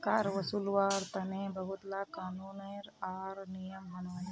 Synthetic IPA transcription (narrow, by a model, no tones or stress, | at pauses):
kaːɾʋɐsuːlwaːɾt̪ɐnẽbɐɦʊt̪laːkaːnuːnɐjɾaːɾnijəmɦɐnaːn